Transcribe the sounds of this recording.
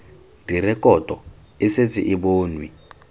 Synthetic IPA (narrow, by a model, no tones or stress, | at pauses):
dʱirɛkʼɔtʼɔ | ɪset͡sʰḭʔiboːnwi